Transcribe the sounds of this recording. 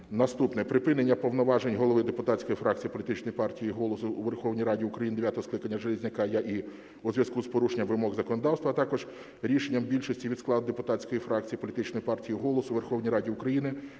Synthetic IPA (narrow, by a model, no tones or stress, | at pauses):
nɐst̪upnɛpɾɪpɪnenʲːɐpɔʋnɔʋɑʒenʲɦɔlˠɔʋɪd̪epʊt̪ɑtʲt͡sʲkɔjifɾʔɑk̚tt͡sʲijipɔlʲit̪ɪt͡ʃnɔjipɑrtʲijiɦɔlˠɔsʊːʋerxɔwnʲijɾɑdʲiʊkɾɐjind̪eʋjat̪ɔɦɔsklˠɪkɐnʲːɐʒelʲˠɪzʲnʲɐkɑjaʔi | uzʲʋjɐskuspɔɾuʃenʲːɐmʋɪmɔɣzɐkɔnɔd̪ɑwst̪ʋɐːt̪ɑkɔʒ | ɾʲiʃenʲːɐmbʲilʲʃɔsʲtʲiʋʲid̪sklˠɑd̪̚d̪epʊt̪ɑt͡sʲkɔjifɾɑk̚t͡sʲijipɔlʲit̪ɪt͡ʃnɔjipɑrtʲijiɦɔlˠɔsʊʋerxɔwnʲijrɑdʲiʊkɾɐjinɪ